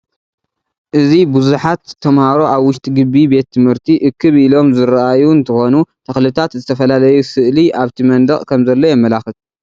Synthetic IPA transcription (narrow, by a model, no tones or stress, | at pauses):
ʔɨzibuzuħat̪ʰːɐmhaɾo̞ʔaβwʊʃt̪ʼiɡɨbːibe̞t̪ʰːɨmhɨɾt̪ʰiʔɨkʰːɨβilo̞mzɨɾʔajuɨnt̪ʰɐxo̞nut̪ʰɐxlɨt̪ʰat̪zɨt̪ʰɐfɐlalɐjusɨʔliʔaβt̪ʰimɐnd̪ɐʔʼkʰɐmzɐlːo̞jɛmːɐlaxɨt̪